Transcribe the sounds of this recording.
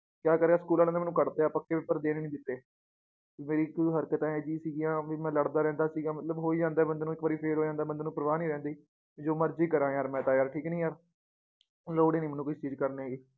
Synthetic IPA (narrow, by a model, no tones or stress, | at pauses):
kjaːkəɾeːaːsə̥kuːlaːɾẽneːmɛːnũːkəɽt̪eːaːpəkːeːʋɪpːəɾd̪eːneːnĩːd̪ɪt̪ːeː | meːɾiːkɦəɾkət̪ãːɛːd͡ʒiːsiːɡɪjãːʋiːmɛ̃ːləɽd̪aːɾɛ̃ːnd̪aːsiːɡãːmət̪ləbɦoːiːd͡ʒãːnd̪aːbənd̪eːnũːɪkʋaːɾiːpʰeːɾɦoːd͡ʒãːnd̪aːbənd̪eːnũːpəɾəʋaːnĩːɾɛ̃ːnd̪iː | d͡ʒoːməɾd͡ʒiːkəɾãːjaːɾmɛ̃ːt̪ãːjaːɾʈʰiːknĩːjaːɾ | loːɽeːnĩːmɛːnũːkʊt͡ʃʰt͡ʃiːzkəɾnːɛːɡiː